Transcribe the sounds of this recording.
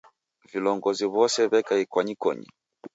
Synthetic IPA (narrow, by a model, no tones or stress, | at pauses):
vilɔŋɡɔziβɔsɛβɛkaikwaɲikɔ̰ɲḭ